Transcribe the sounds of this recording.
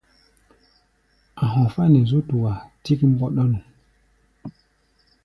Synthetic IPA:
a˨ɦɔ̃˨fa˦nɛ˨zu˦tu˨wa˨ti˦ki˦m̩˦bɔ˦ɗɔ˦nu˨

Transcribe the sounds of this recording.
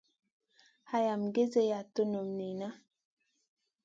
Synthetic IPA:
ha˦ja˨mɡe˦ze˦ja˨to˦no˨mni˨na˦

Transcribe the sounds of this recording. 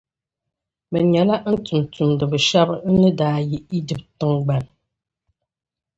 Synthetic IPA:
mɛ˨ɲɛ˨la˦ʔn̩˦tu˨mtu˨mdə˨bə˨ʃa˦bnə˦daː˨ji˨i˦di˨p̚tə˦ŋɡ͡ba˨n

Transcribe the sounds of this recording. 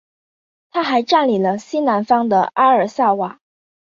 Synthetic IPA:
t̪ʰa˥xa˧˥ɪʈ͡ʂa˥˩nli˨˩lə˦ɕi˥na˧˥nfɑ˥ŋd̪ə̰˨ʔa˥ə˞˨˩sa˥˩wa˨˩˦

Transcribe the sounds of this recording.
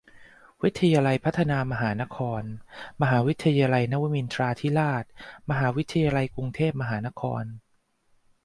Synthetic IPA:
wi˦˥t̪ʰːa˧jaː˧la˧jpʰa˦˥t̪ʰːa˧naː˧ma˧ɦaː˩˦na˦˥kʰɔː˧nma˧ɦaː˩˦wi˦˥t̪ʰːa˧jaː˧la˧jna˦˥wa˦˥mi˧nt̪ʰɾaː˧t̪ʰiː˦˥laː˥˩t̪̚ma˧ɦaː˩˦wi˦˥t̪ʰːa˧jaː˧la˧jkɾu˧ŋt̪ʰeː˥˩p̚ma˧ɦaː˩˦na˦˥kʰɔ̰ː˧n

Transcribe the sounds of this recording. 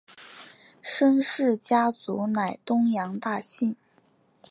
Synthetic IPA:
ʂə˥nʂɻ̩˥˩t͡ɕja˥t͡su˧˥na˨˩ɪt̪ʊ˥ŋjɑ˧˥ŋt̪a˥˧ɕi˥˩n

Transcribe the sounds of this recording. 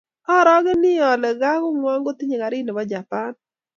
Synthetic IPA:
ɔ˦ɾɔ˦ɡɪ˦nɪ˦ɔ˨lɛ˨ɡa˦kʊ˦ŋwa˦ŋɡo˦t̪ɪ˦ɲe˨ka˨ɾɪ˦nɪ˨bɔ˦d͡ʒa˨pa˦n

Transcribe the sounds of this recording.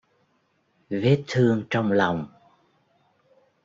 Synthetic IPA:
ve˦˥t̚t̪ʰːɨ˧əŋt͡ɕɔ˧wŋ͡mla˨˩wŋ͡m

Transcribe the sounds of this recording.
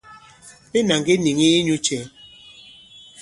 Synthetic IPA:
be˦na˨ŋɡe˦ni˨ŋi˦ɲu˦t͡ʃɛ˨˦

